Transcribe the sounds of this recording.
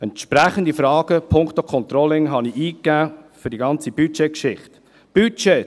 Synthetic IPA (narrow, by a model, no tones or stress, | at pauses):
ɛnt̪ʃpɾæχənd̪ifɾɑːɡ̥əpʰʊŋkt̪okʰɔnt̪ɾɔlɪŋɦɑniiːkːæːfʏɾdiɡɑnt͡sib̥yt͡ʃekʃɪχt̪ | b̥yt͡ʃe